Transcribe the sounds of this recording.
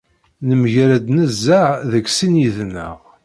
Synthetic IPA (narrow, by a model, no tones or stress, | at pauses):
nəməʝɾæd̪nəzːəʕðəksinjiðnːə̰ʁ